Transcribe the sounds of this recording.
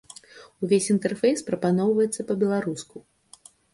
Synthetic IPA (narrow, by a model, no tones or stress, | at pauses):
uvʲesʲint̪ɛrfʲejspɾɐpanɔwvɐjɛt̪sːɐpɐbʲɛlˠaɾusku